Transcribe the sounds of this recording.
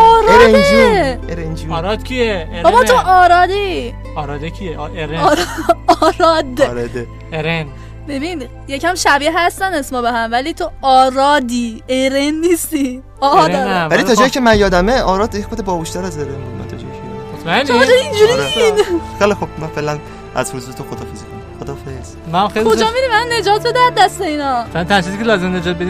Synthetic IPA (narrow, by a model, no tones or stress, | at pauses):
ɒːɾeɾend͡ʒieɾend͡ʒiɾɒd̪̥kcʰieeɒbɒt̪ʰoʔɒːɾɒːd̪i | ɒːɾɒd̪ecʰieʔeɾeːɾɒːɾɒːd̪ɾɔd̪e | eɾen | bebin | jecʰæmʃæbiɦæst̪ænesmɒbeɦæmvæliːt̪ʰoɒːɾɒːd̪iːeɾenːist̪i | ɒvælit̪ʰɒːd͡ʒ̪ɒjicʰemænjɒːd̪æmeʔɒːɾɒːd̪jexod̪ebɒːboʃt̪æɾæzeɾenmo̰mæ̰nt̪ʰɒ̰d͡ʒɒ̰jien̰mot̪mæend͡ʒʰoind͡ʒuɾinixelexobmænfelæn | ʔæ̰zhuzuet̪ʰoxod̪ɒːfezikʰonaxod̪ɒːfez̥ | mæmxelkʰod͡ʒɒmid̪imænːe̞d͡ʒɒːt̪̚ʰbed̪æɾd̪æst̪e̞inɒfelænt̪ʰænt͡ʃizikʰʲelɒːzemned͡ʒɒːt̪̚bed̪i